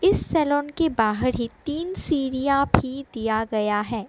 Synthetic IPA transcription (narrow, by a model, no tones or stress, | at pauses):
ɪsːɛːlɔːnkebaːɦəɾɦit̪iːnsiːɾijabʱid̪ijaɡɐjaɦɛː